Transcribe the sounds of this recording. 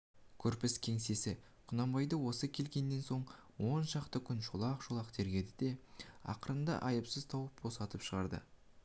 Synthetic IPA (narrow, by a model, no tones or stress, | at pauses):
kʲʰɵɾpɪskʲʰe̞ŋse̞sɪ | qʰʊnɑmbɑjd̪əwo̞səkʲʰe̞lkʲe̞nːe̞nso̞ɴwo̞nʃɑqt̪əkʲʰʏnʃolˠɑqʃolˠɑqt̪ʰe̞ɾɡʲe̞d̪ɪd̪e̞ɑ̰qəɾənd̪ɑ̰ʔɑjəpsəz̥t̪ʰɑwəp̚bo̞sɑt̪əpʃəʁɑɾd̪ə̰